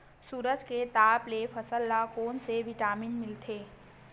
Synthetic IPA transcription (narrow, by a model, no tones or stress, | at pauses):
suːɾəd͡ʒket̪aːplefɐsəlːakoːnseʋɪʈaːmɪnmɪlt̪ʰeː